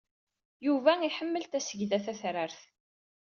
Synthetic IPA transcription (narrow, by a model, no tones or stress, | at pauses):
juvæiħəmːəlt̪æsəʝðæθæθɾəɾθ